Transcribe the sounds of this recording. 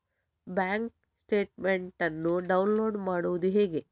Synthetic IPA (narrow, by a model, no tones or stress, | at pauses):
baːŋk | sʈe̞ːʈmeɳʈɐnːuɖɐwnlo̞ːɖmaːɽuʋud̪uɦeːɡe̞